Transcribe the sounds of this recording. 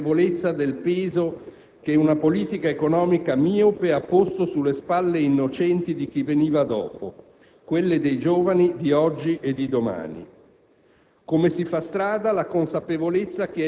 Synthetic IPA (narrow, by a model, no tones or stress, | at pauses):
volet̪sːad̪elpeːzo | keɛunapoliːt̪ikaekonɔːmikamiupeapːost̪osulːespalːeinːot͡ʃɛnt̪id̪ik̟iveniːvad̪ɔ̰ːpo | kwelːed̪ejd͡ʒoːvanid̪iɔd͡ʒːiʔed̪id̪oma̰ːnḭ | komesifast̪ɾaːd̪alakonsapevolet̪sːak̟eɛ